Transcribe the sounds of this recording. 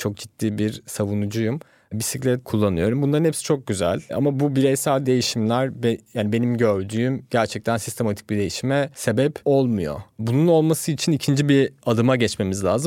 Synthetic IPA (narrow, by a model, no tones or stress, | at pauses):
t͡ʃʰo̞k̚d͡ʒit̪ːiːbiɾsavunud͡ʒujum | bisiclʲɛt̪kʰulˠːanɯjo̞ɾumbunlˠaɾɯnhepsi̥t͡ʃʰok̚ɟyzæ̰lʲa̰mabubiɾejsaːd̪e̞jiʃimlʲæɾbjaːnibe̞nimɟø̞ɾd̪yːymɟ̥æɾt͡ʃʰɛc̚t̪ʰænsi̥st̪ʰe̞mat̪ʰi̥c̚bid̪e̞jiʃimɛse̞bɛpo̞lˠmujo̞̰bununo̞lˠmasɯit͡ʃʰinicʰind͡ʒibiad̪ɯmaɟɛt͡ʃme̞mizlʲaːzɯm